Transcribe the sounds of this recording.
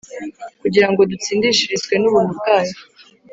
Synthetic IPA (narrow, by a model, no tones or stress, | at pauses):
kuɟiɾaŋɡo̞dut͡siːndiʃiʒizkwe̞nuβumukaja